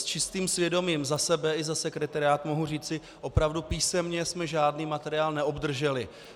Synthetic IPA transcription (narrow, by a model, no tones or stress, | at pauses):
st͡ʃɪst̪iːmsvjɛdo̞miːmzasɛbɛɪzasɛkɾɛt̪aɾɪaːt̪mo̞ɦuriːt͡sɪ | ʔo̞pɾavdupiːsɛmɲɛsmɛʒaːdniːmat̪ɛɾɪaːlnɛʔo̞bd̪r̩ʒɛlɪ